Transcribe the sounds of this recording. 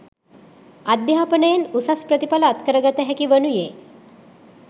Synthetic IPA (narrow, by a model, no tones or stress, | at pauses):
ad̪jaapənəjenusaspɾət̪ipaləːt̪kəɾəɡat̪əɦɛkiʋənuje